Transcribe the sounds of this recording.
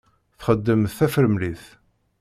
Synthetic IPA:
θχəd̪ːəmθθæfəɾəmliθ

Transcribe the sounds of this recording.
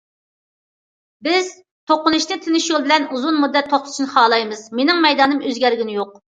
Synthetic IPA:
bɪz̥ | t̪ʰoqːʊnɨʃnɨt̪ʰɪnɪʃjolˠbɪlɛnuzunmud̪ːɛt̪ʰːoχt̪ʰʊ̥ʃʰinɨχɑːlˠɑjmɨz̥menɪŋmɛjd̪ɑːnɨmøzɡʲɛɾɡʲinɪjoq̚

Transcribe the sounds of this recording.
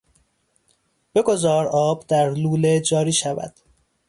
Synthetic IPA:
b̥e̞ɡo̞zɒːɾɒːbd̪æɾluːled͡ʒɒːɾiːʃævæ̰d̪̥

